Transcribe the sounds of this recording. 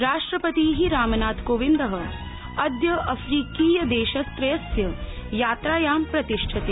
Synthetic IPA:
ɾaːʂʈɾɐpɐt̪iːɦiɾaːmɐnaːt̪koːʋind̪ɐɦɐ | ɐd̪jɐʔɐfʰɾiːkiːjɐd̪eːʃɐst̪ɾɐjɐsjɐjaːt̪ɾaːjaːmpɾɐt̪iʂʈʰɐt̪e

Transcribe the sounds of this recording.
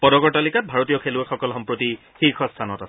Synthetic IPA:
pɔdɔkɔɹtalikat̚bʱaɹotijɔkʰeluɛxɔkɔlxɔmpɹoti | xixʰɔstʰanɔtasɛ

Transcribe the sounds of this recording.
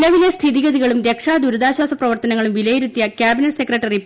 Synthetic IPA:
lɐʋilest̪ʰiðiɣɐðiɣɐɭumɾe̞kʂaːd̪uɾuðaːɕwaːsɐprɐʋɐrt̪ɐnɐŋːɐɭumʋilɐjiɾut̪ːjɐkʲjaːbinɐʈse̞krɐʈːɐri

